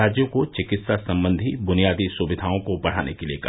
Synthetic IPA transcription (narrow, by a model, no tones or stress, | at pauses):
aːd͡ʒjõkot͡ʃɪkɪt̪sasɐ̃mbə̃nd̪ʱibʊnijaːd̪isʊʋɪd̪ʱaːõkobɐɽ̤a̰ːnekeliekɐ